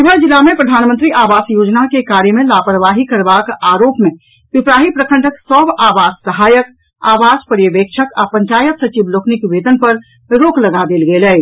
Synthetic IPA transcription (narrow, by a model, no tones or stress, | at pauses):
ɪbəɾd͡ʒilːamẽpɾəd̪ʱaːnmənt̪ɾiʔaːʋaːsjoːd͡ʒnakekaːɾjəmẽlapɾəʋaɦikəɾbakaːɾoːpmẽ | bɪpɾaːɦipɾəkʰə̃ɳʈəksəbaːʋaːd͡ʒsəɦaːjək | a̰ːʋaːd͡ʒpəɾjəʋeːkʃʰəkapə̃ɲt͡ʃaːjət̪sət͡ʃibloːknikʋeːd̪ənpəɾ | ɾoːkləɡad̪eːlɡelɛ